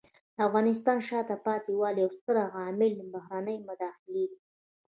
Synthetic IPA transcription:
d̪əafɣɑnɪs̬t̪ɑnʃɑt̪apɑt̪iwɑliawst̪əɾaɣɑmɪləbahɾanəjmʊd̪ɑxɪled̪i

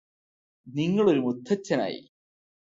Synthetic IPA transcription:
niŋːɐɭo̞ɾumud̪ʱːɐt͡ɕːɐna̰ːjḭ

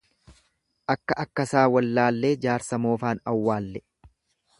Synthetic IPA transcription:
ʔɐkːɐʔɐkːɐsaːwɐlːaːlːe̞ːd͡ʒaːɾsɐmo̞ːfaːnɐwːaːlːɛ

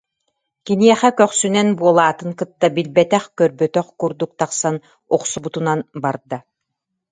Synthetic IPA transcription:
kiniɛχɛkœχsynɛnbuɔlˠaːt̪ɯŋkɯt̪ːabilbɛt̪ɛχkœɾbœt̪œχkuɾd̪uk̚t̪aqsan | ɔqsubut̪unanbaɾd̪a

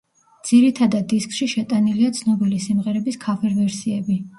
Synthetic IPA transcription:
d̪z̥iɾit̪ʰad̪ad̪ːiskʰʼʃiʃɛt̪ʼaniliat̪sʰnɔbilisimʁɛɾɛbiskʰafɛɾvɛɾsiɛbi

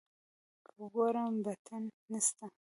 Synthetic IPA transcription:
kʰɡoɾəmbat̪ʰanːast̪a

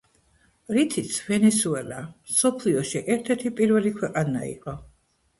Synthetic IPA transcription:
ɾit̪ʰit̪sʰvɛnɛsuɛlamsɔpʰliɔʃiʔɛɾt̪ʰɛɾt̪ʰipʼiɾvɛlikʰwɛqʼanaḭqʼɔ

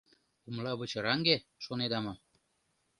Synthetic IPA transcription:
umlɑβə̆t͡ɕɤ̆ɾɑŋɡeʃoned̪ɑmɤ̆

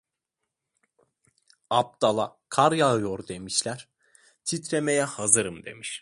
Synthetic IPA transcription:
ap̚d̪̥alˠakʰaɾjajoɾd̪e̞miʃlʲæɾ̥ | t̪ʰit̪ɾemejɛhazɯɾɯmd̪e̞̰miʃ

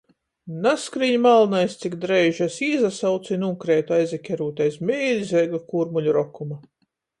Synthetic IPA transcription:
naskɾiɲmalˠnajst̪sikd̪ɾɛjʒasiːzasawt̪sinuŋkɾeːt̪uajzʲɛkʲɛɾuːt̪ajsmʲeːlʲizɛɡakuɾmulʲuɾɔkuma

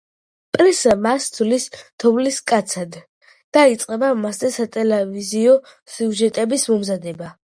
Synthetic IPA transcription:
pʼɾisamast̪ʰlisd̪ʰɔvliskʼat̪sʰad̪ | d̪̥ait̪sʼqʼɛbamaszɛsat̪ʼɛlɛviziɔ | siuʒɛt̪ʼɛbismɔmzad̪ɛba

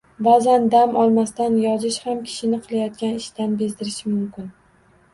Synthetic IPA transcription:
bazand̪amɒlˠmast̪anjɒzɪʃhamkʲʰɪ̥ʃɪnɪqʰɨlˠajɒt̪̚kʲanɪʃt̪anbezd̪ɪɾɪʃɪmʊmkʲɪn

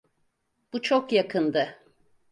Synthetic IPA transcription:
b̥ut͡ʃʰokjakʰɯnd̪ɯ

